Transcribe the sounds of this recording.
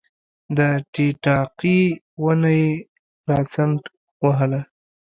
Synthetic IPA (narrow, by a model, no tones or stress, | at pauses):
d̪əʈiʈɑqi | wənaj | ɾɑt͡saɳʈ | waɦəla